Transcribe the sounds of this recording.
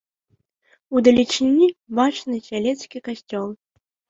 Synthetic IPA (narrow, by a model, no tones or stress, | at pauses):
ud̪ɐlʲit͡ʂɨnʲːibat͡ʂnɨsʲalʲɛt̪skʲikasʲt͡sʲɔlˠ